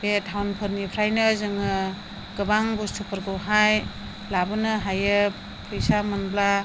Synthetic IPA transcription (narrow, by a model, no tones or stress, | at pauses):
betʰawnpʰɯɾnipʰɾajnɯzɯŋɯ | ɡ̥ɯbaŋbustʰɯpʰɯɾɡɯwɦaj | labɯnɯɦajɯ | pʰɯjsamɯnbla